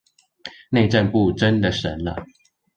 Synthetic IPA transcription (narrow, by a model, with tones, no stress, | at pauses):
ne˥˧ɪʈ͡ʂə˥˨npu˥˨ʈ͡ʂə˦nd̪ə˨ʂə˨˦nlə̰˨